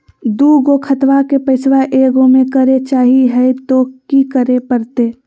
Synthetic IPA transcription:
d̪uːɡokʰət̪ʋakepəɪsʋaʔeːɡõmẽkəɾet͡ʃaːɦiɦɛet̪okikəɾepəɾt̪eː

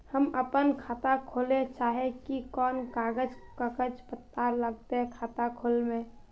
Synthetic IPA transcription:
həməpənkʰaːt̪akʰoːlet͡ʃaːɦekikɔːnkaːɡəd͡ʒkəkəd͡ʒpət̪paɾləɡ̚t̪eɦɛ̃kʰaːt̪akʰoːlmẽ

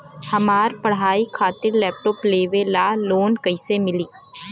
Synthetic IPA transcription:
hɐmaːɾpɐɽ̤ɦaːikʰaːt̪ɪɾlɛːp̚ʈɔːpleːʋelaːloːnkɐɪsemɪliː

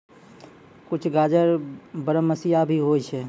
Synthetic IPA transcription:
kʊt͡ʃʰɡad͡ʒəɾbəɾəməsijabʱiɦot͡ʃʰɛ

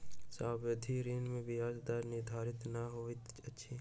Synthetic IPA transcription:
saːbəd̪ʱiːɾiːnmẽʋɪjaːd͡ʒd̪aːɾnɪɾd̪ʱaːɾɪt̪naɦoːit̪ɐtːʃʰiː

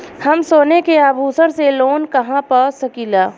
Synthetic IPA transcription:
hɐmsoːnekeaːbʱuːsəɾseloːnkɐɦãpəsɐkiːlaː

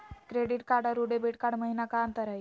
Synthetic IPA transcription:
kɾeɽiʈkaɾɖəɾuɽebeʈkaɽməɦinakant̪əɾaj

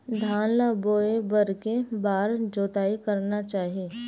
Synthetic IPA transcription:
d̪ʱaːnlaboːebɐɾkebaːɾd͡ʒoːt̪aːikɐɾnat͡ʃaːɦieː

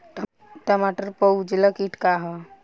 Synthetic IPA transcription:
ʈəmaʈəɾpəwd͡ʒləkiʈkaɦə

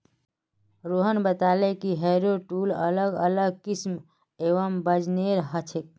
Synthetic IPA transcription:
ɾoɦənbət̪alekiɦeɾoʈulə̰ləɡələɡkism | eʋəmbəd͡ʒneɾɦət͡ʃʰek̚

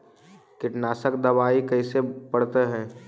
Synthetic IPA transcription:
kɪʈnaːsəkd̪ɐʋaːikɐisepɐɽt̪eɦɛ̃ː

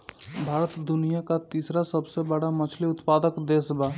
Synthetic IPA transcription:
bʱaːɾət̪d̪ʊnijakat̪iːsɾasəbsebəɽamɐt͡ʃʰliʊt̪paːd̪əkd̪eːsbaː

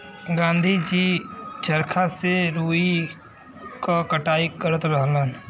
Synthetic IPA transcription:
ɡãːnd̪ʱid͡ʒiːt͡ʃəɾkʰaseɾuːi | kakəʈaːikəɾət̪ɾəɦlən

